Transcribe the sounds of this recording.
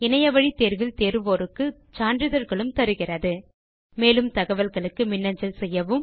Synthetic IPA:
ɪnɐjɐʋɐɻit̪eːɾʋɪlt̪eːɾɯʋoːɾɯkːɯ | t͡ʃaːndrɪðɐɾɣɐɭɯmt̪ɐɾɯɣɪrɐðɯ | meːlɯmt̪ɐɣɐʋɐlɣɐɭɯkːɯmɪnːɐɲd͡ʒɐlsɛjːɐʋɯm

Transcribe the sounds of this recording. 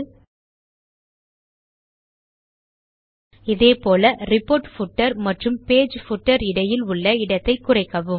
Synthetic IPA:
ɪðeːpoːlɐrɪpːoːʈfʊʈːɐɾmɐʈrɯmpeːd͡ʒfʊʈːɐɾɪɽɐjɪlʊɭːɐɪɽɐt̪ːɐɪkːʊrɐɪkːɐʋɯm

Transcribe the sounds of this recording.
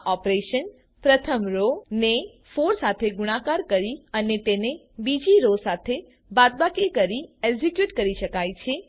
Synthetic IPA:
ʔɔpɾeʃən | pɾət̪ʰəmɾone | foɾsat̪ʰeɡuɽ̃ãkaɾkəɾiənet̪ene | bid͡ʒiɾosat̪ʰe | bad̪̚bakikəɾieɡd͡ʒikjuʈkəɾiʃəkajt͡ʃʰe

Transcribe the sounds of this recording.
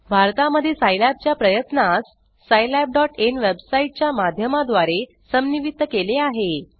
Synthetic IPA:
bʱaɾt̪aməd̪ʱːjesajlab̚t͡ɕjapɾəjət̪nasː | ajlab̚ɖɔʈenʋebsaiʈ̚t͡ɕjamad̪ʱjəmad̪ʋaɾe | səmniʋit̪ːəkeleaɦe

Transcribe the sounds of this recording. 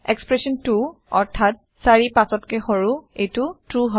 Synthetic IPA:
ekspɹesɔntu | ɔɹtʰat̚ | saɹipasɔtkexoɹuejtutɹuɦɔ

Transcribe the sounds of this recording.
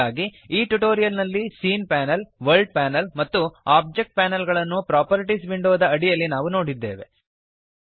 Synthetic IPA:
aːɡiiːʈuʈoːɾijɐlnɐlːisiːnpæːnɐlʋɐɾɭɖ̚pæːnɐlmɐt̪ːuaːb̚d͡ʒek̚ʈ̚pæːnɐlɡɐɭɐnːupɾaːpɐɾiʈisbiɳɖoːd̪ɐɐɽijɐlːinaːʋuno̞ːɽid̪ːe̞̰ːʋe̞̰

